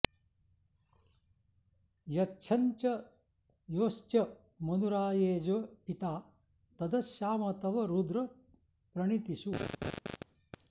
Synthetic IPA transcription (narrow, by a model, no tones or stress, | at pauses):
jɐt͡ʃʰɐɲt͡ʃɐ | joːʃt͡ʃjɐ | mɐnuɾaːjeːd͡ʒɐpit̪aː | t̪ɐd̪ɐʃjaːmɐt̪ɐʋɐɾud̪ɾɐ | pɾɐɳit̪iʃu